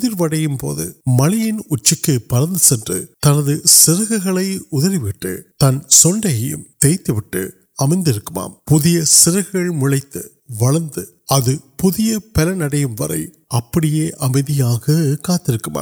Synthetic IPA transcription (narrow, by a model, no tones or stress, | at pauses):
ʊðɪɾʋɐɽɐjɯmpo̰ːðɯ̰mɐlɪjɪnʊt͡ʃːɪkːɯpɐɾɐnd̪ɯsɛndrɯ̰t̪ɐnɐðɯsɪɾɐɣɐɣɐɭɐɪʊðɐɾɪʋɪʈːɯ̰t̪ɐnsɔɳɖɐjɐjɯ̰mt̪ɛjt̪ːɯʋɪʈːɯ̰ | ɐmɐɪnd̪ɪɾɯkːɯma̰ːmpʊðɪjɐsɪɾɐɣɐɭmʊɭɐɪt̪ːɯ | ʋɐɭɐnd̪ɯ | ɐðɯpʊðɪjɐpɛlɐnɐɽɐjɯmʋɐ̰ɾɐ̰ɪ | ʔɐpːɐɽɪjeːʔɐmɐɪðɪjaːɣɐkaːt̪ːɪɾɯkːɯma̰ː